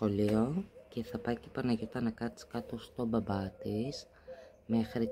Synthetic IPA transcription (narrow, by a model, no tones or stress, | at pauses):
xo̞lio̞ce̞θɐpɐjcepɐnɐʝit̪ɐnɐkɐt̪i̥skɐt̪o̞st̪o̞bɐbɐt̪is | me̞xɾi